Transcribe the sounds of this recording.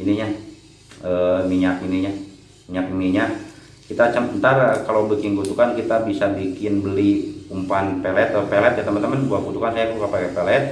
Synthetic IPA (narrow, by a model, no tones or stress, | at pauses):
iniɲa | əmiɲakiniɲa | miɲak̚iniɲa | kit̪at͡ʃəmbənt̪arəkalobikiŋɡut̪ukankit̪abisabikɪnbəlikumpanpelɛt̪əpelɛt̪̚ɡət̪əmant̪əmanbuat̪̚ɡut̪ukansajakəukapakɛpelɛt̪̚